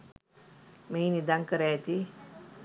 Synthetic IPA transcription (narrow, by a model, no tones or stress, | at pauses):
mejnid̪aŋkəɾaːt̪i